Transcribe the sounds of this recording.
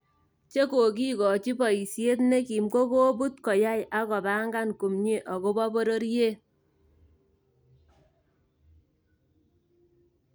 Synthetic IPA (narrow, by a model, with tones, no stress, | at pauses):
t͡ʃe˦ko˨k̬i˦kɔ˨t͡ʃi˦bɔ˨i˨sje˦tne˦ki˨mɡo˦ko˦bu˦tkɔ˨ja˦jʔa˦kɔ˨ba˦ŋɡa˦nku˨mɲe˦ʔɔ˨ko˦bɔ˦bo˦ɾo˦ɾje˦